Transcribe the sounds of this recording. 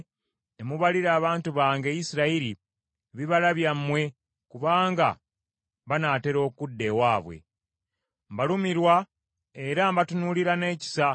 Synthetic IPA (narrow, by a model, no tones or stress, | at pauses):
emuβaliɾaːβaːntuβaːŋɡe̞jisiɾaiɾi | βiβalaβjamːwe̞ | kuβaːŋɡa̰ | βanaːte̞ɾo̞ːkudːe̞waːβwe̞̰ | mbalumiɾwa | e̞ɾambatunuliɾane̞ːci̥sa